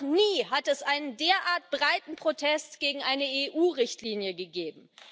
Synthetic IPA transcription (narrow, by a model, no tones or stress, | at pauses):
niːɦatɛsʔaɪnəndeːɐʔaːɐt̚b̥ʁaɪtn̩pʁ̥otʰɛstɡ̥eːɡŋ̩ʔaɪnəeʔuːʁɪçtliːnjəɡəɡeːbm̩